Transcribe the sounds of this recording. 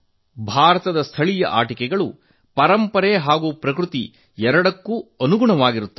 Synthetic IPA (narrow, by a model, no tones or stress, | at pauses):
bʱaːɾɐt̪ɐd̪ɐst̪ʰɐɭijɐ̰ʔa̰ːʈikɛɡɐɭṵ | pɐɾɐmpɐɾɛɦaːɡupɾɐkɾut̪i | ɛɾɐɽɐkːuɐnuɡuɳɐʋaːɡiɾut̪ːɐ